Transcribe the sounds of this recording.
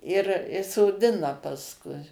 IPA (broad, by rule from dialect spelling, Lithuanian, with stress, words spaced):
ɪr ɪ soːˈdʲɪnɐ pɐsˈkʊɪ